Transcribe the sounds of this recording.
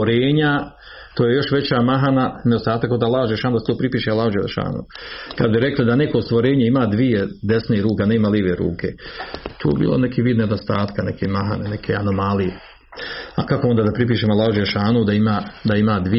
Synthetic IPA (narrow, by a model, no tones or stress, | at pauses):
oɾeːɲa | t̪oːje̞jo̞ʃʋe̞t͡ɕamaɦananedo̞st̪aːt̪akːod̪alːˠaːhud͡ʒeleʃaːnd̪aset̪oːpɾipiːʃealːaːhud͡ʒelḛʃa̰ːnṵkad̪biɾe̞klid̪anekost̪ʋoɾeːɲeimaːd̪ʋijed̪esneːɾuːkaneːmaliʋeɾṵːkʰe̞t̪ʰo̰ːjbḭːlonekiʋiːd̪ned̪ost̪aːt̪kanekʰemaɦa̰nenekʰeano̞malie | akakoond̪aːd̪apɾip̬iːʃemoalːˠaːhud͡ʒeleʃaːnud̪aimaːd̪aimaːd̪ʋi